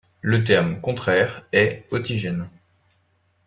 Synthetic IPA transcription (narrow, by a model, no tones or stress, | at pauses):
lət̪̬ɛʁmkɔ̃t̪χɛʁɛɔt̪iʒɛn